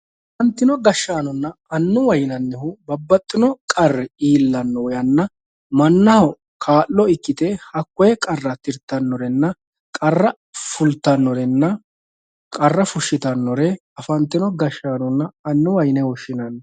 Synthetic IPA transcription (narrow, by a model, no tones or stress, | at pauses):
ʔɐɐfɐnt̪ːɪnɔɡɐʃːaːnɔnːɐɐnːʊwɐjnɐnːɛhʊbɐbːɐt̪ʼːɪnɔkʼɐrːɛiːlːɐnːɔwɔjɐnːɐ | mɐnːɐhɔ | kʰaːlːɔɪkːɪt̪ɛhɐkːɔjɛkʼɐrːɐt̪ɪɾt̪ːɐnːɔɾɛnːɐ | kʼɐrːɐ | fʊlt̪ːɐnːɔɾɛnːɐ | kʼɐrːɐfʊʃːɪt̪ɐnːɔɾɛ | ɐfɐnt̪ːɪnɔɡɐʃːaːnɔnːɐːnːʊwɐjnɛwɔʃɪnɐnː